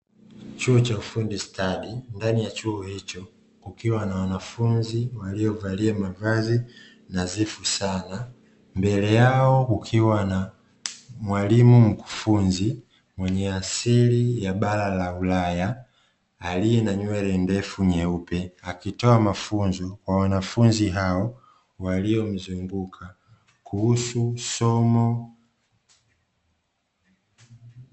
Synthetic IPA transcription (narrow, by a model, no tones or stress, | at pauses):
t͡ʃuɔt͡ʃaufundistʰaɗindanijat͡ʃuɔhit͡ʃɔ | kukiwanawanafunziwaliɔvaliamavazi | nazifusana | mbɛlɛjaɔkukʰiwana | mwalimum̩ku̥funzi | mwɛɲɛasilijaɓalalaulajaː | lijɛnaɲwɛɾɛndɛfuɲɛupɛakitɔamafunzɔkwawanafunziɦaɔ | waliɔm̩zuŋɡukʰa | kʰuhususɔmɔ